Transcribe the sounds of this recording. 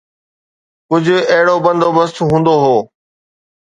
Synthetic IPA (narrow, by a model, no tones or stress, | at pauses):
kʊd͡ʑʱʊ̆ɐɦɪɽobɐ̃nd̪oːbɐst̪ɦũːnd̪oɦoː